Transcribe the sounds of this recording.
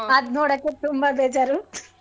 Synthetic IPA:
ɐd̪noːɽɐkːet̪umbabed͡ʒɐɾut̪

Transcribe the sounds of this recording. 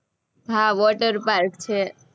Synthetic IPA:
bʱaʋɔʈəɾpaɾkt͡ʃʰe

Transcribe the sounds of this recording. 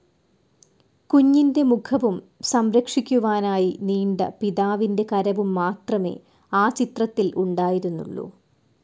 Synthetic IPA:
kuɲːinde̞mukʰɐʋum | sɐmɾɐkʂikʲːuʋaːnaːjiniːɳɖɐ̰piðaːʋinde̞kɐɾɐʋumːaːt̪rɐme̞̰ː | aːt͡ɕit̪rɐt̪ːiluɳɖaːjiɾunːṵɭːo̰ː

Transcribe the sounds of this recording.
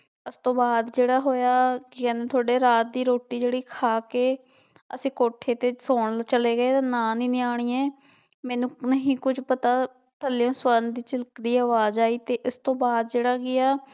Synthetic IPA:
ɪst̪õːbaːd̪d͡ʒeːɽaːɦoːjaːkikɛ̃ːneːt̪ʰʊaːɖeːɾaːt̪̚d̪iːɾoːʈːiːd͡ʒeːɽiːkʰaːkeː | əsĩːkoːʈʰeːt̪eːsoːɳlt͡ʃəleːɡəeːt̪aːnãːniːneːaːɽ̃iːɛː | mɛ̃ːnũːnəɦĩːkʊd͡ʒpət̪aː | t̪ʰəlːejõːswənd̪iːt͡ʃəlkd̪iːaːʋaːzaːiːt̪eːʔɪst̪õːbaːd̪d͡ʒeːɽaːɡɪaː

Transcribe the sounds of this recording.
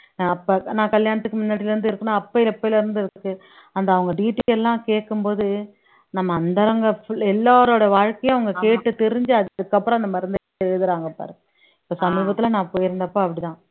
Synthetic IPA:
naɐpːɐnãːkɐljaːnɐt̪ːɯkːɯmʊnːaːʈːɪlɐɾɯnd̪ɯɪɾɯkːɯnːaːɐpːɐjɪlɐpːoːɪlɐɪɾɯnd̪ɯɪɾɯkːɯ | ɐnd̪ɐːʋɐŋɡɐɖiːʈːiɛlːãːkeːkːɯmpoːðɯ | nɐmːɐːnd̪ɐɾɐŋɡɐfɛlːaːɾoːɽɐʋaːɻkɐjõɐʋɐŋɡɐkeːʈːɯt̪ɛɾɪɲd͡ʒɯɐðɯkːɐpːɯɾõɐnd̪ɐmɐɾɐnd̪ɐ | eːðɯɾaːŋɡɐpːa̰ːɾɯ | ɪpːoːsɐmiːbɐt̪ːɪlɐnãːpoːjɪɾɯnd̪ɐpːoːɐpːɐɽit̪ãː

